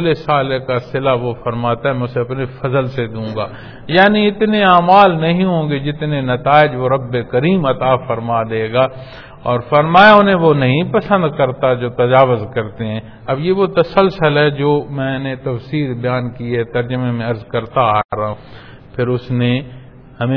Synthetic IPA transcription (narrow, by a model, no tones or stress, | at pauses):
lesaːlekasɪlaʋofɐɾmaːt̪aɦɛmɛ̃ːʊseɐpnefɐzəlsed̪ũːɡaː | jaːniɪt̪neaːmaːlnɐɦĩɦõːɡed͡ʒɪt̪nenɐt̪aːɪd͡ʒʋoɾɐbːekɐɾiːmɐt̪afɐɾmad̪eːɡaː | ɔːɾfɐɾmaːjaʊnɦẽʋonɐɦĩpɐsə̃nd̪kɐɾt̪ad͡ʒoːt̪ɐd͡ʒaːʋʊzkɐɾt̪eɦɛ̃ː | ɐbjeʋot̪ɐsəlsəlɦɛd͡ʒoːmɛ̃ːnet̪ɐfsiːɾbɐjaːnkiɛt̪ɐɾd͡ʒəmemẽɐɾzkɐɾt̪aːɾaɦũː | pʰɪɾʊsne | hɐmẽ